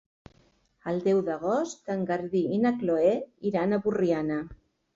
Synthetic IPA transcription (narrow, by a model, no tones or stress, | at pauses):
ald̪ɛwðaɣ̞ost̪aŋɡaɾðiinakloeiɾanaβuriana